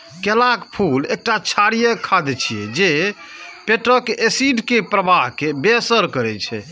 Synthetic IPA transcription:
kelakpʰulek̚ʈat͡ʃʰaɾijəkʰad̪ɛt͡ʃʰiɛd͡ʒe | peʈɾəkesiɖkepɾəbaɦkebeəsəɾkəɾɛt͡ʃʰɛ̰

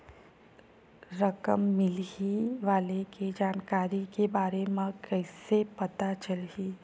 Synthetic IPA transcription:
ɾɐkə̰mːɪliʋaːleked͡ʒaːnkaːɾikebaːɾemãkɛɪsepɐt̪at͡ʃəlɦiː

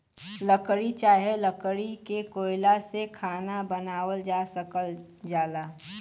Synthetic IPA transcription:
ləkɽit͡ʃaːɦeləkɽikekoːɪlasekʰaːnabɐnaːwəld͡ʒaːsəkəl | d͡ʒaːlaː

